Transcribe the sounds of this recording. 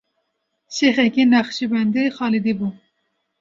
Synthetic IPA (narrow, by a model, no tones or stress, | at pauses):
ʃexɛkinɑxʃibɛnd̪exɑːlid̪ibu